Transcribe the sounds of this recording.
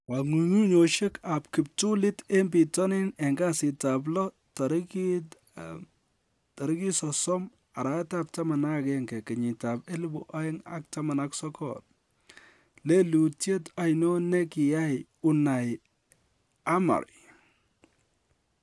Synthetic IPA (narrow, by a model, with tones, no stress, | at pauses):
wa˨ŋu˨ɲu˦ɲo˨ʃe˦ka˨pkɪ˨p̚tu˦lɪ˦te˦mbi˨tɔ˦nɪ˦nɛ˨ŋɡa˦sɪ˨tab̬lɔ˦ | tɔɾk | tɔ˨ɾɪ˦ki˦sɔsɔ˦m | a˨ɾa˦tap̚tɐ˦ma˨na˦kɛ˦ŋɡɛ˨kɛ˨ɲɪ˨ta˨pe˦lu˦bṵ˨ʔa˦ɪ˦ŋa̰˦k̚tɐma˨naksɔ˦kɔ̰t | le˦lu˨tje˦ta˨ɪno˦ne˦ki˨ja˦j | u˨na˨j | a˦ma̰˨ɾ